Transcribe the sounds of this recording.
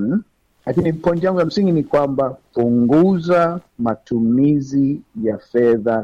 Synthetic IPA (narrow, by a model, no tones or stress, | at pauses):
lakinipɔntijaŋɡujam̩siŋɡinikwambapuŋɡuzamatumizijafɛða